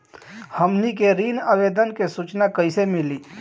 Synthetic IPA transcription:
həmnikeɾiːnaʋeːd̪ənkesut͡ʃnakəisemɪliː

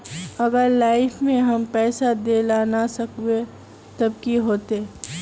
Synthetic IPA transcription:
ɐɡəɾlaːɪfmẽɦɐmpɛːsad̪eːlaːnasɐkwe | t̪ɐb̚kiɦoːt̪eː

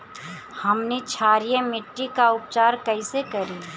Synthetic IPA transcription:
hɐmnit͡ʃʰaːɾijəmɪʈːikaʊp̚t͡ʃaːɾkɐisekəɾi

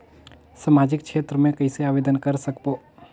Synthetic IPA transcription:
samaːd͡ʒɪkt͡ʃʃʰeːt̪ɾəmẽkɐiseaːʋeːd̪ənkəɾsəkpoː

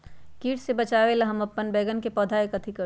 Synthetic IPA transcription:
kiːʈsebɐt͡ʃaːʋelaɦɐmɐpːənbɛːɡənkepɔːd̪ʱaːekɐt̪ʰikɐ

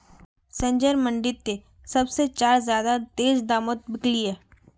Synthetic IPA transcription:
sɐ̃ɲd͡ʒəɾmɐ̃ɳɖɪt̪ːe | sɐbset͡ʃaːɾzjaːd̪at̪eːzd̪aːmət̪̚bɪkliɦɛː

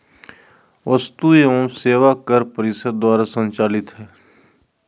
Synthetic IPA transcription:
ʋəst̪uːeõːmseːʋaːkəɾpəɾɪsəd̪̚d̪aːɾaːsə̃nt͡ʃaːlɪt̪ɦɛː

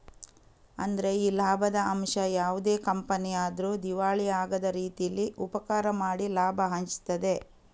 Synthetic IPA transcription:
ɐ̰nd̪ɐɾe̞iːlaːbʱɐd̪ɐɐmʂɐjaːʋud̪e̞ːkɐmpɐnijaːd̪ɐɾud̪iʋaːɭiaːɡɐd̪ɐɾiːt̪ijɐlːiʔupɐkaːɾɐmaːɽilaːbʱɐɦɐɲt͡ʃt̪ɐd̪e̞

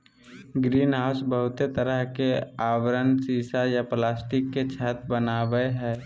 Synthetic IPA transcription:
ɡɾiːnɦaːsbəɦʊt̪et̪əɾəɦkeaːʋəɾənsiːsajaplaːsʈɪkːet͡ʃʰaːt̪ʰbənaːʋəeɦɛː

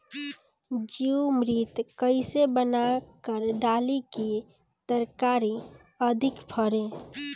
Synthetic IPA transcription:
d͡ʒiumɾit̪kəɪsebənakəɾɖaliki | t̪əɾkaɾi | əd̪ʱikpʰəɾẽ

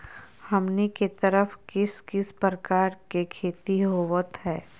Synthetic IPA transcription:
hɐmniket̪əɾəfkɪskɪspɾəkaːɾkekʰeːt̪iɦoːʋət̪ɦɛː

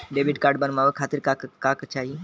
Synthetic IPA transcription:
ɖeːbiʈkaːɾɖbənmaːʋekʰaːt̪iɾkakkaːkt͡ʃaːɦi

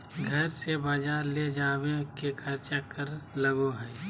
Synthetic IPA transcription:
ɡʱɐɾsebaːd͡ʒaːɾled͡ʒaːwekekʰɐɾt͡ʃakəɾlɐɡoɦɛː

